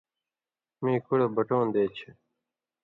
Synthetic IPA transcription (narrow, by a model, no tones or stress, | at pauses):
mĩːkuɽebəʈoːnd̪eːt͡ɕʰe